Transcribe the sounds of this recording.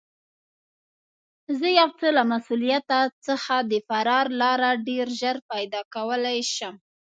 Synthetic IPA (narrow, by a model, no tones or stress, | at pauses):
zəjawt͡səlamasulijat̪at͡səxad̪əfaɾɑɾlɑɾaɖeɾʒəɾpajd̪ɑkawəlajʃəm